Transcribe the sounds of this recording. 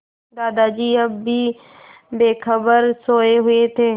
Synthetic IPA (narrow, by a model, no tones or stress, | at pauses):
d̪aːd̪ad͡ʒiːəbːiː | beːkʰəbəɾsoːeɦʊet̪ʰeː